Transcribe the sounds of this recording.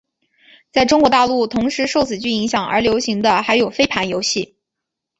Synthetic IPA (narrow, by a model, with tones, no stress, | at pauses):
t͡sa˥˩ɪʈ͡ʂʊ˥ŋkwɔ˧˥t̪a˥˧lu˥˩t̪ʰʊ˧˥ŋʂɻ̩˧˥ʂo˥˩ʊt͡sʰɹ̩˨˩t͡ɕy˥˩i˧˥ŋɕjɑ˨˩ŋə̰˞˧˥ljo˧˥ʊɕi˧˥ŋd̪ə˧xa˧˥ɪjo˨˩ʊfe˥ɪpʰa˧˥njo˧˥ʊɕi˥˩